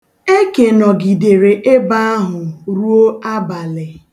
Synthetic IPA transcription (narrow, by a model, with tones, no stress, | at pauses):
e˦ke˨nɔ˨ɡi˨de˨ɾe˨ʔe˦ba˦a˦ɦʊ˨ɾu˦o˦a˦ba˨lɪ˨